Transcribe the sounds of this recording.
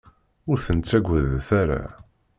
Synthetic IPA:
ʊɾθənt͡sːæɡʷəðθæɾa̰

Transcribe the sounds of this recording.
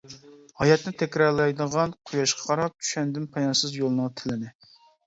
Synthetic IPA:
hɑjɛt̪nɪt̪ʰɛkʲɾɑɾlˠɑjd̪əʁɑnqʰujɑʃqʰɑ̥qʰɑɾɑp̚t̪ʰy̥ʃɛnd̪ɪnpʰɑjɑnsɨzjolˠnət̪ʰɪlɪnɪ

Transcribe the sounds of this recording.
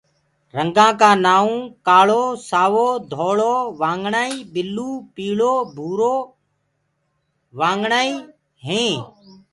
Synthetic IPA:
ɾəŋɡãːkaːnaːũːkaːɭoːsaːʋoːd̪ʱoːɭoːʋãːŋɡɳaːiːɓɪlːuːpiːɭoːbʱuːɾoː | ʋãːŋɡɳaːiː | ɦẽː

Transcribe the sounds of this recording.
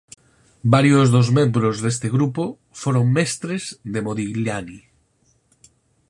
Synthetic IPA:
baɾjozðozmẽmbɾozðes̬t̪eɣɾupo | foɾoŋmest̪ɾezðemoðiɣlani

